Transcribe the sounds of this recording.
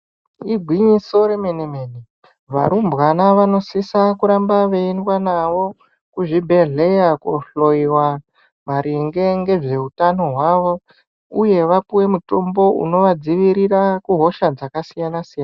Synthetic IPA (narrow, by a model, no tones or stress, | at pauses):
iɡʱwiɲiso̞ɾe̞meneme̞ni | ʋa̰ɾumbwanaʋano̞sisakuɾambaʋe̞indwanaʋo̞ | kuʐibʱe̞ɮe̞jakuɬo̞iwa | maɾiŋɡe̞ŋɡe̞ʐe̞utano̞ɦwaʋo̞ | uje̞ʋapuwe̞muto̞mbo̞ṵno̞ʋad͡ziʋiɾirakuɦo̞ʃad͡zakasijanasijana